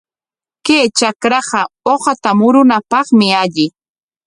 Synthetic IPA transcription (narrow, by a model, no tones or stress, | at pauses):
keːt͡ʃakɾɑɢɑoχat̪amʊɾʊnapɑχmɪaʎɪ